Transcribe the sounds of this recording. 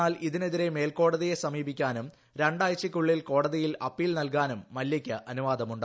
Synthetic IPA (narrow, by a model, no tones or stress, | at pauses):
aːliðine̞ðiɾe̞me̞ːlko̞ːɽɐðije̞sɐmiːbikʲːaːnum | ɾe̞ɳɖaːjt͡ɕːikʲːuɭːilko̞ːɽɐðijilɐpːiːlnɐlkaːnumːɐljɐkʲːɨʔɐnuʋaːd̪ɐmuɳɖɨ